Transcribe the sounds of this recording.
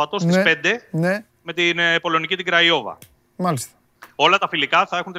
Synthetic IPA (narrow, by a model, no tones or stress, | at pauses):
ɐt̪o̞st̪ispe̞nd̪e̞ne | me̞t̪inpo̞lo̞nicit̪iɡɾɐio̞vɐ̰ | malist̪ | o̞lɐt̪ɐfilikɐθɐe̞xunt̪